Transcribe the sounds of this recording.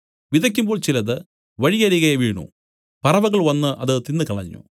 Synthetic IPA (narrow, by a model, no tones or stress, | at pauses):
ʋiðɐk̬ʲːumbo̞ːɭt͡ɕilɐðɨ | ʋɐɻiɣɐɾiɣɐjɐʋiːɳṵ | pɐrɐʋɐɣɐɭʋɐnːɨʔɐðɨt̪inːɨkɐɭɐɲːṵ